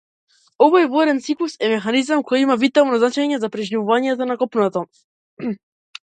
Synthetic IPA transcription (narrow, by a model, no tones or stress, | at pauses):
ɔvɔjvɔɾɛnt̪siklˠusɛmɛxanizamkɔjimavit̪avnɔznat͡ʃaɲɛzapɾɛʒnivuvaɲɛt̪ɔnakɔpnat̪a